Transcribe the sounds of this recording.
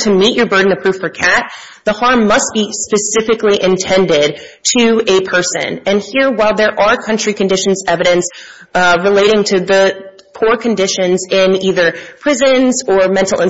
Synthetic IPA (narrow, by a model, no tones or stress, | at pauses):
tʰɨmit͡ʃə˞bɜ˞dⁿn̩ɨpʰɹ̥ʉfə˞kʰæt̪̚ | ðəhɑɹmːʌst̚b̥ispɨsɪfɨkliʔɨ̃ntʰɛ̃ndɪd̚tʰɨɨpʰɜ˞sɨ̰̃nɨ̃nhiɹwaɪlˠðə˞ʔə˞kʰʌ̃nt͡ʃɹ̥ikɨ̃n̩dɪʃn̩zɛvɨɾɨ̃ns | ɹɨleɪɾɪ̃ŋtʰɨðɨ | pʰuɹkʰɨ̃ndɪʃɨ̃nzɪ̃niðə˞pʰɹ̥ɪzɨ̃nzə˞mɛ̃ntˡl̩ˠɪ̃